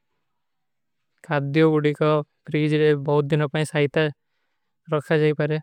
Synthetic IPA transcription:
kʰad̪joɡuɽikɔpɾid͡ʒɾebɔɦut̪̚d̪inɔpaĩsaɦit̪a | ɾɔkʰad͡ʒaipaɾe

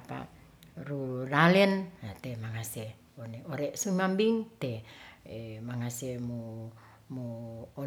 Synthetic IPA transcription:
pa̰ | ruralɛnat̪emaŋase | oneoɾɛʔsumambiŋt̪eemaŋasemu | muː

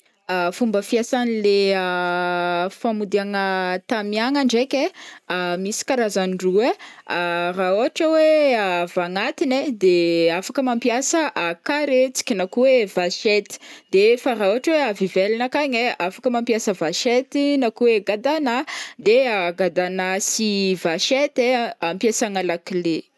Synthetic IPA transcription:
afumbəfiasanileə | famud̪iaŋət̪amiaŋaɳɖ͡ʐekʲeamisi̥kaɾazanirue | rauaʈ͡ʂəweavaŋat̪ined̪eafakəmampjasəʔakaɾet͡si̥kʲinakuwevaʃet̪i̥d̪̥efaɾauaʈ͡ʂəweavivelinakaɲeafakəmampjasəvaʃet̪inakuweɡad̪anad̪eaɡad̪anasivaʃet̪eampjasaŋalakile

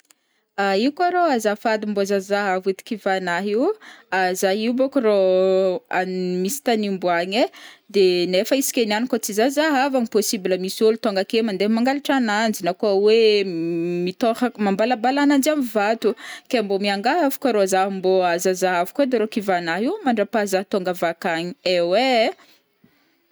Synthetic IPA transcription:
aiukaɾoazafad̪imbozazaɦavit̪i̥kivanaɦiuazaɦiubokuɾo | anmisi̥t̪animbuaɲed̪enefəisi̥kʲenanikot͡sizazaɦavaŋiposibiləmisolut̪oŋɡakemand̪emaŋɡaliʈ͡ʂanand͡ʒinakawe | mit̪ohamambalabalanand͡ʒamivat̪ukembomiaŋɡaɦavu̥kʲəɾozaɦmboazazaɦavukuad̪eɾokivanaɦiwmaɳɖ͡ʐapazaɦt̪oŋɡavakaɲiewe

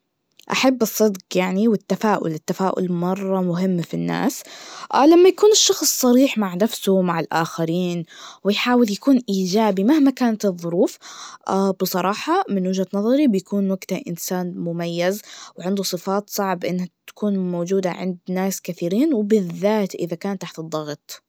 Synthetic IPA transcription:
ʔa̰ħabːɨsˤːɨd̪qjaʕniwɪt̪ːafaːʔʊ̰lɪt̪ːafaːʔʊ̰lmɑrˤːɑmʊɦɪmːfinːa̰ːsʔːlamːajakuːnɪʃːɑxsˤːɑɾiːħmaʕnafsʊmaʕɪlʔaːxaɾiːnwɪjħaːwɪljakuːnʔiːd͡ʒaːbimahmakaːnat̪ɨðˤːʊɾuːfʔabɨsˤɑɾˤɑːħɑmɪnwɪʒhat̪nɑðˤɑɾibɪjakuːnwaɡt̪aʔɪ̰nsaːnmʊmajːazwʕɪnd̪usˤɨfɑːt̪sˤɑʕbʔɪnːhat̪ḁkuːnmoːd͡ʒuːd̪a̰ʕɪ̰nd̪naːskaθiːɾiːnwɪbɪðːaːt̪ʔɪðakaːnt̪aħt̪ɨd̪ˤːɑɣt̪ˤ

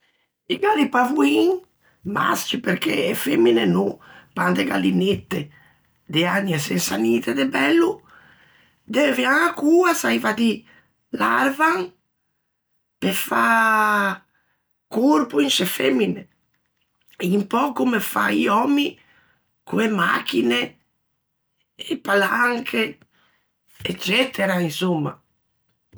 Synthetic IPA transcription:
iɡalipavuiŋ | ma̰scipeɾkḛːfemːinenupand̪eɡa̰linet̪ːe | d̪eanːjasesaniːt̪ed̪ebɛlːu | d̪ɛvjaŋakuːasajvat̪i | larvaŋ | pefa | kuɾpuint͡ʃefɛmːine | eimpɔkumefa̰iɔmi | kuema̰k̟ine | palaŋkʰe | et͡ʃːɛt̪ʰeɾainsumːa̰

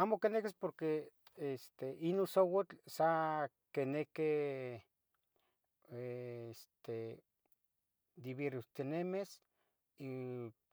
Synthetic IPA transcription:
aːmokenekespoɾke | est̪eʔinosowat͡ɬsa | keneke | eest̪e | d̪iβeɾut̪inemes | i

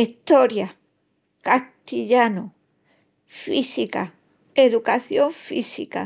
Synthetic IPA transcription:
it̪o̞ɾja | kast̪iʎano | fisika | eðukaθjo̞ɱfisika̰

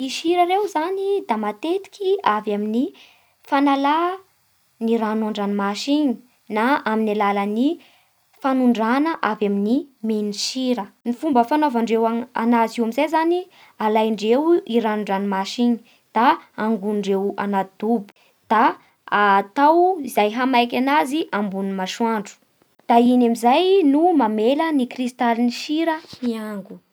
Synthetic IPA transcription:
iʃiɾəɾewzanid̪amat̪et̪i̥kʲʰiavamini | fanala | niɾanaɳɖ͡ʐanimaʃiɲi | naaminalaləni | fanuɳɖ͡ʐanəʔavaminimeniʃiɾənifumbəfanovaɳɖ͡ʐewaa̰nazeamizajzani | alajɳɖ͡ʐewiɾanuɳɖ͡ʐanimaʃiɲi̥ | d̪̥aːŋɡuɳɖ͡ʐewa̰nad̪̥ubu̥ | d̪̥a | at̪awizajɦamajk̬ʲanaziʔambunimaʃwaɳɖ͡ʐu̥ | d̪̥ainamizajnumamelənikrist̪alniʃiɾəniaŋɡu

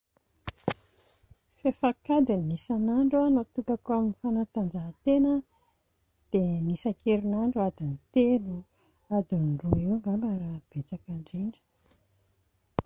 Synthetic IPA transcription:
fefakad̪inːisanaɳɖ͡ʐanat̪ukakuaminifanat̪and͡zaɦt̪enə | d̪̥enisakeɾinaɳɖ͡ʐuad̪init̪elu | ad̪inrueŋɡamaɾab̥et͡sakaɳɖ͡ʐeɳɖ͡ʐə̥

